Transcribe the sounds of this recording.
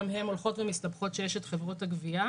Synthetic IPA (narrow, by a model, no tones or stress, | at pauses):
mhe̞molχo̞tvemistabχo̞tʃejeʃetχevʁo̞thaɡvia